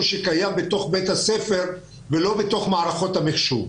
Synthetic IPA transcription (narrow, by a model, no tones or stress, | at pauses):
ʃekajambet̪o̞χbet̪hasefe̞ʁ | velo̞beto̞χmaːʁaχo̞t̪hameχʃu